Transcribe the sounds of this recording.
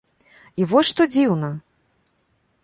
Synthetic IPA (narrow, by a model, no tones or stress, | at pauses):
ivɔsʲʂt̪ɔd͡zʲiwnɐ